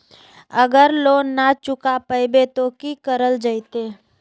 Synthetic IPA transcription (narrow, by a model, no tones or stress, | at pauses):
əɡəɾloːnat͡ʃʊkapəjbet̪okikəɾəld͡ʒəɪt̪eː